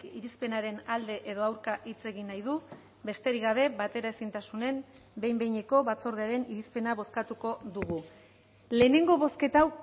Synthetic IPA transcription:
iɾispe̞naɾe̞nald̪e̞ʔeðo̞awɾkaʔit͡se̞ɣinːajðu | be̞st̪e̞ɾiɣaβ̞e̞βat̪e̞ɾaesint̪asune̞m | be̞jmbe̞jɲe̞ko̞βat͡so̞ɾð̞eaɾe̞niɾispe̞naβo̞skat̪uko̞ðuɣ̞u | le̞ːne̞ŋɡo̞βo̞ske̞t̪aw

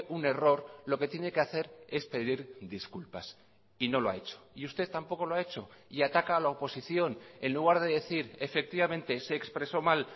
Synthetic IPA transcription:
ʔune̞ro̞ɾlo̞ke̞t̪je̞ne̞ke̞aθe̞ɾe̞spe̞ðiɾðiskulpas | ino̞loa̰e̞t͡ʃo̥iust̪e̞ðt̪ampo̞ko̞loae̞t͡ʃo̞iat̪akaːlaopo̞siθjo̞ne̞nluɣ̞aɾðe̞ðe̞θiɾe̞fe̞k̚t̪iβamẽ̞nt̪e̞se̞ːkspɾe̞so̞mal

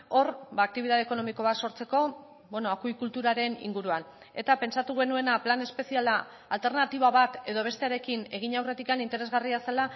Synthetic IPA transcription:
o̞rbaːk̚t̪iβ̞iðaðeko̞no̞miko̞β̞at̪so̞ɾt͡se̞ko̞ | bwenoakujkult̪uɾaɾe̞nḭŋɡuɾuan | et̪ape̞nsat̪uɣ̞e̞nue̞naplane̞spe̞sialaː | lt̪e̞ɾnat̪iβ̞aβ̞at̪e̞ð̞o̞βe̞st̪e̞aɾe̞kine̞ɣ̞iɲawre̞t̪ikanint̪e̞ɾe̞zɣariasala

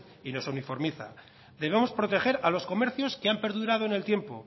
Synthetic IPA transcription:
ino̞sunifo̞ɾmiθa̰ | ðe̞β̞e̞mo̞spɾo̞t̪e̞xe̞ɾalo̞sko̞me̞ɾθjo̞skeampe̞ɾðuɾaðo̞ene̞lt̪je̞mpo̞

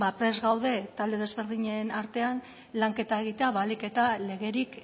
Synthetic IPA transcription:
bapɾe̞zɣawðe̞t̪ald̪e̞ð̞e̞zβe̞ɾðiɲenaɾt̪e̞an | laŋke̞t̪ae̞ɣ̞it̪e̞aβalike̞t̪ale̞ɣ̞e̞ɾik

